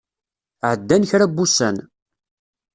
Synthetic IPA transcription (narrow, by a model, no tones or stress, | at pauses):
ʕəd̪ːænçɾabːusæn